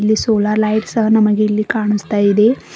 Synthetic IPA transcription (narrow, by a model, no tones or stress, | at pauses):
lːisoːlaːɾlɐjʈsɐɦɐnɐmɐɡeilːikaːɳust̪aːjid̪e̞